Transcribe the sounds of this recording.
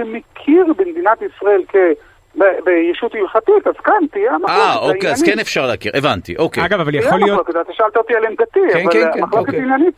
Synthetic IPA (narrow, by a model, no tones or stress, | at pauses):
emekʰiʁbemd̪inat̪isʁae̞lke | bebejiʃutilχat̪itazkant̪iamaaokeakenefʃaʁleːkḭʁevant̪ḭʔokeaɡavavaljaolijooketat̪eʃaalt̪aot̪ialemɡat̪iavaamaχloketinjanit̚